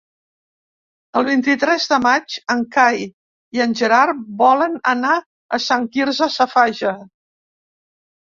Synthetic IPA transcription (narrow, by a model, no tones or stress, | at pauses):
əlˠβ̞int̪it̪ɾɛzðəmad͡ʒəŋkaj | iənʲʒəɾaɾβɔlənəna | əsaŋkiɾzəsəfaʒə